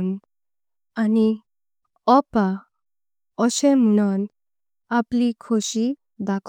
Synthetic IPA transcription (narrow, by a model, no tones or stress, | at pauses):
n | ani | ɔpa | ɔɕẽm̤uɽ̃ɔn | aplikʰoɕi | d̪akʰ